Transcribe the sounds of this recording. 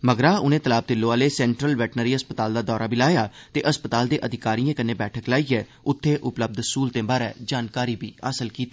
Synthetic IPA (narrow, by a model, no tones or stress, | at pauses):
məɡɾaːʊnẽːt̪əlaːb̚t̪ɪlːoːaːleːsɛ̃ːɳʈɾəlʋɛːʈnəɾiːəspət̪aːld̪aːd̪ɔːɾaːbɪlaːjaːt̪eːʔəspət̪aːld̪eːʔəd̪ɪkaːɾiːjãːkəneːbɛːʈʰəklaːiːɛː | ʊt̪ʰːeːʔʊpləb̚d̪suːlt̪ẽːbaːɾɛ̰ːd͡ʒaːnkaːɾiːbʱiːa̰ːsəlkiːt̪i